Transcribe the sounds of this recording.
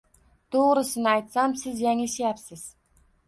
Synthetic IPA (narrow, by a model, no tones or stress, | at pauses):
t̪ʰoʁɾɪsɪnɪajt̪samsɪzjaŋeʃajapsɪz̥